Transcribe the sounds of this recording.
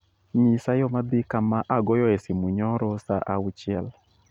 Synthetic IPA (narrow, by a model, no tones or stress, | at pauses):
ɲisajɔmad̪ɪkamaʔaɡɔjɔɛsɪmuɲɔɾɔsaʔaut͡ʃjɛl